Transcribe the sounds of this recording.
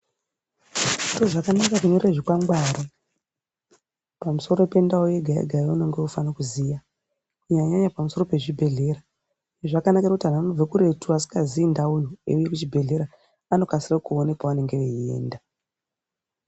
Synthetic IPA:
iroʐakanakakuɲo̞rreʐikwaŋɡwaːɾi | pamuso̞ɾo̞pe̞ndaoje̞ɡʱajḛɡʱajouno̞ŋɡeufanakuzija | kuɲaɲaɲapamuso̞ro̞pe̞ʐibʱe̞ɮe̞ɾa | eʐakanakeakutiɦananob͡vekuɾe̞tuasi̥kaziːndauɲuḛujekut͡ʃibʱe̞ɮe̞ɾa | ano̞kasirakuonekwaʋane̞ŋɡeʋeie̞̰ːnda

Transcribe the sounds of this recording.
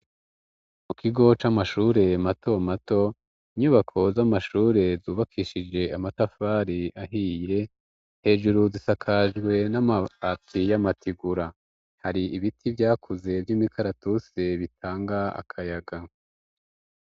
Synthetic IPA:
mukʰiɡo̞t͡ʃamaʃuːɾe̞mato̞mato̞ | iɲuːβakʰo̞zamaʃuːɾe̞zuːβakʰiːʃid͡ʒe̞amatafaɾiʔaɦije̞ | he̞ːʒuɾuzisakʰaʒɡwe̞namaatijamatʰiɡuɾa | haɾiiβitʰivjaːkʰuze̞vjimikʰaɾatuseβitʰaːŋɡaa̰kʰajaɡa

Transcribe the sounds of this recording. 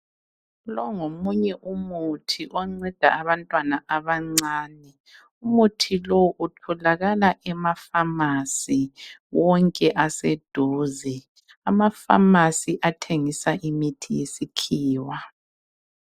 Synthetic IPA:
lɔŋomuɲɛʔumutʰiʔɔŋ͡ǀɛd̥ʱa̰aβantʼwanaʔaβaŋ͡ǀaːnɛ | umutʰilowʔutʰɔlaɣalaʔɛmafamasiwɔŋkʼɛʔasɛd̥ʱoːzɛ | amafa̰masiʔatʰeŋisaʔimitʰijesikʰiːwa

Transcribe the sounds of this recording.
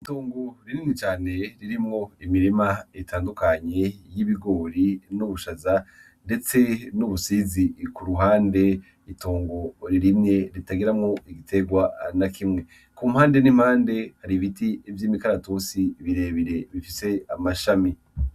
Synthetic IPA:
itoːŋɡo̞ɾininit͡ʃaːne̞ɾiɾimŋo̞imiɾimaetʰaːndukaɲe̞jiβiɡo̞ɾinuβuʃaza | nde̞t͡se̞nuβusizikuɾuɦaːnde̞ | itʰoːŋɡo̞ɾiɾimɲe̞ɾitaɡiɾamŋo̞iɡitʰe̞ɡwanakʰimŋe̞ | kumhaːnde̞nim̥haːnde̞haɾiβitiivjiːmikaɾatosiβiɾe̞βiɾe̞βifise̞amaʃami

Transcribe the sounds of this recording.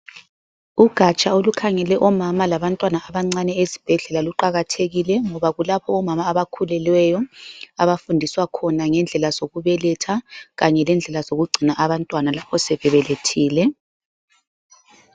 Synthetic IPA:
uɡ̥ʱat͡ʃʼaolukʰaŋɛlɛʔɔmamalaβantʼwanaːβaŋ͡ǀanɛezib̥ʱɛɮɛlaluǃaɣatʰeɣilɛŋɔβaɣulapʰɔɔmamaːβakʰulɛlwɛjɔaβafundʱiswakʰɔnaŋɛnd͡ɮʱɛlaz̥oɣuβɛlɛtʰaɣaɲɛlɛnd͡ɮʱɛlazoɣuɡ͡ǀʱinaʔaβantʼwanalapʰɔsɛβɛβɛletʰiːlɛ

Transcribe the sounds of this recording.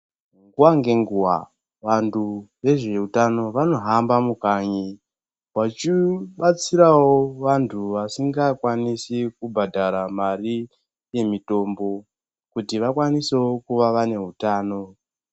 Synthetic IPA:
ŋɡuwaŋɡe̞ŋɡuwa̰ | ʋantʰuʋe̞ʐe̞utano̞ʋano̞ɦambamukaɲi | wat͡ʃiɓat͡siɾawo̞ʋantʰuʋasiŋɡakwanisikubʱadʱaɾamari | je̞mito̞ːmbo̞ | kutiʋakwaniseokuʋaʋane̞ɦutaːno̞

